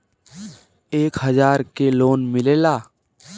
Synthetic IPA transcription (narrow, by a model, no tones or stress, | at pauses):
eːkɦəzaːɾkeloːnmɪleːlaː